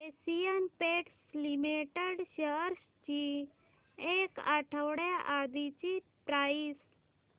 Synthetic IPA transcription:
esijənpeʈslimeʈəɽɕəɾs | t͡ɕi | eka̰ʈʰəwɽjaʔad̪it͡ɕipɾais

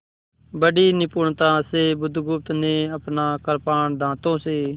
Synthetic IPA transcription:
bəɖiːnɪpuːɳt̪aːseːbʊd̪ʱɡʊp̚t̪nẽːəpnaːkəɾpaːɳd̪ãːt̪õːseː

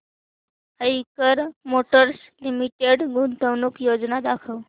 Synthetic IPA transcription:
əikəɾmoʈəɾslimiʈeɽɡunt̪əʋnukjod͡znad̪akʰəʋ

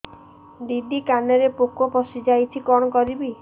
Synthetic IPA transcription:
d̪iɖ̪ikaneɾepokːopɔsid͡ʒajt͡ʃʰikɔɽ̃ɔkɔɾibi

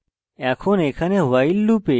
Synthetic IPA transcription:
ɛːkʰõːneːkʰanẽːɦʊʋaːilːuːpeː

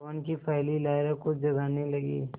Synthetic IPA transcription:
onkipʰɛːlilaːɪɾekʊt͡ʃʰd͡ʒɐɡanilɐɡḭː

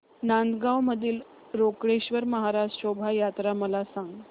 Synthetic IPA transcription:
nand̪ɡawməd̪ʱiːl | ɾokɽeɕʋəɾməɦaɾad͡ʑɕobʱajat̪ɾaməlasaŋɡ

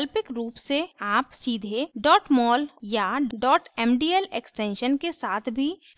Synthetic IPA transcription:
lpɪkɾuːpseaːpsiːd̪ʱeɖɔːʈmɔːljaɖɔːʈɛːmɖiːɛleksʈẽːnʃənkesaːt̪ʰbʱi

